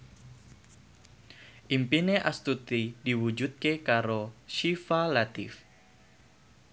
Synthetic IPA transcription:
ʔimpineʔast̪ut̪idiwud͡ʒut̪̚kekaɾoʃifalat̪ɪf

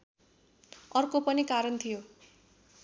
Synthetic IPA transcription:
ʌrkopʌnikaɾʌnt̪ʰijo

